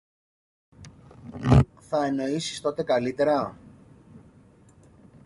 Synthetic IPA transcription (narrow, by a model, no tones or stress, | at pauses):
θɐe̞no̞isi̥st̪o̞t̪e̞kɐlit̪e̞ɾɐ